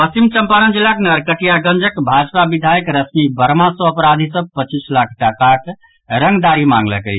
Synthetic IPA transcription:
pəsimt͡ʃəmpanənd͡ʒilːakenəɾkəʈijaɡənd͡ʒəkbʱad͡ʒpabid̪ʱajəkɾəsmibəɾmãsoəpɾad̪ʱisəb̚pət͡ʃislakʰʈakak | ɾəŋɡd̪aɾimã̰ŋɡlə̰kə̰

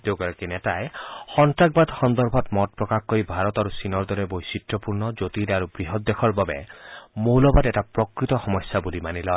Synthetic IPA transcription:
d̪ewkaɾakinetaexɔnʈak̚bad̪xɔnd̪ɔɾbʱɔt̪mɔt̚pɾɔkakoibʱaɾɔt̪aɾusinɔɾd̪ɔɾebojsitɾɔpuɾnɔd͡ʒot̪iɾaɾubɾiɦɔt̪̚d̪ːekʰɔɾbabemowlɔbad̪eʈapɾɔkɾit̪ɔxɔmɔsjabulimanilɔ

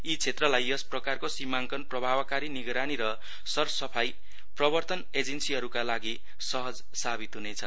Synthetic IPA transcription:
it͡sʰet̪rʌlajʌsprʌkarkosimaŋkʌnprʌbʱabkaɾiniɡɾaniɾʌ | sʌrsʌpʰaj | prʌbʌrt̪ʌned͡zensiɦʌɾukalaɡi | sʌɦʌd͡z | sabit̪ɦunet͡sʰʌ

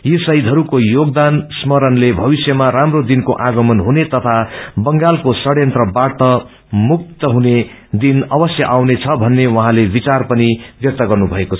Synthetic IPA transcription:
jisʌjd̪ʱʌɾukojoɡd̪ansmʌɾʌnlebʱʌbisjʌmaɾamrod̪inkoʔaɡʌmʌnɦunet̪ʌt̪ʰabʌŋɡalkosʌɽjʌnt̪ʌbaɽt̪ʌ | muk̚t̪ʌɦuned̪inʌbʌsjʌʔawnet͡sʰʌbʱʌnːewʌɦãlebit͡sarpʌnibjʌk̚t̪ʌɡʌrnubʱʌekot͡sʰʌ

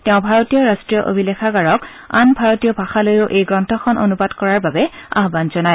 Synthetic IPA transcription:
tɛʊ̃bʱaɹotijɔɹastɹijɔʔo̰bʱilɛxʰaɡaɹɔk | a̰nbʱaɹotijɔbʱaxalojoʔejɡɹɔntʰɔxʰɔno̰nubadkɔɹaɹbabɛa̰ɦbanzɔnaj

